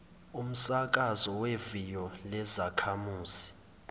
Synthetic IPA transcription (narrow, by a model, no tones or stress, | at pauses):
um̩sak̬ʼazɔwevijɔlɛzakʰamuːzi̥